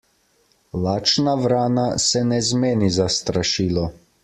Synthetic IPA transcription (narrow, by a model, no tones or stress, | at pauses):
laːt͡ʃnaʋɾaːnasɛnɛzmeːnizast̪ɾaʃiːlɔ